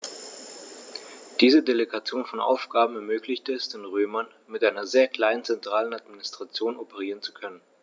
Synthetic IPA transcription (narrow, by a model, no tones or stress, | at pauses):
d̥iːzədeleɡat͡sjoːnfɔnʔa̰ʊfɡ̥aːbm̩ɛɐmøːklɪçtəɛsd̥ɪːnʁøːmɐn | mɪtʔaɪnɐzeːɐkl̥aɪnənt͡sɛntʁ̥aːlənatminɪstʁ̥at͡sjoːnopəʁ̞iːʁənt͡sukʰœnən